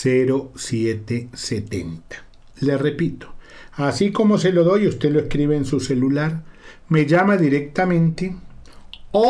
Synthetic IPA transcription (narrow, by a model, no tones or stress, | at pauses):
seɾo̞sjet̪eset̪ent̪ḁ | lerepit̪o̥ | asiko̞mo̞se̞lo̞ðo̞just̪e̞loeskɾiβeːnsuselulaɾ | me̞ʝamaðiɾek̚t̪amẽ̞nt̪e | o